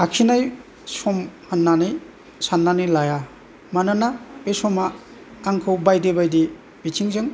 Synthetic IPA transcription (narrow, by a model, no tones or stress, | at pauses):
akʰinaj | sɔmhanːanɯj | sanːanilaja | mananapesɔmaː | ŋkʰɯwbajdebajdi | bitʰiŋzɯŋ